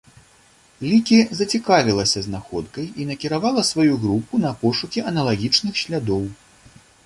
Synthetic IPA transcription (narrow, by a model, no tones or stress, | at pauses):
lʲikʲizɐt͡sʲikavʲilˠɐsʲɐznaxɔt̪̚kɐjinɐkʲiɾavalˠɐsvajuɣɾupunɐpɔʂukʲiɐnɐlˠaɣʲit͡ʂnɨxɕʲlʲad̪ɔw